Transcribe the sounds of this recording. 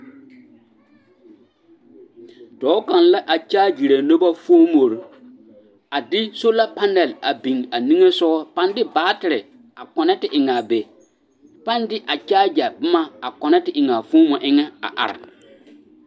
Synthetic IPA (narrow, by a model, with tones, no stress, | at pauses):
tɔː˨˦ka˨n˨la˦ʔa˨t͡ʃaː˦d͡ʒi˨ɾa˨no˦ba˦fo˦mo˨ɾ | a˨dɪ˦so˦la˦pa˦nɛ˨la˨bi˨ŋa˨nĩ˦ŋe˦sɔ˦ɣɔ˦pa˦ndɪ˦baː˨˦tɪ˨ɾɪ˨ | a˨kɔ˨nɛ˦tɪ˨ʔɪ˨ŋa˨be˨ | pa˦ndɪ˦ʔa˨t͡ʃaː˦d͡ʒa˨bɪ˦ma˦a˨kɔ˨nɛ˦tɪ˨ʔɪ˨ŋaː˨fʊ̃ː˦mɔ˨ʔɪ˦ŋɛ˦a̰˨ʔa̰˨ɾɪ̰˨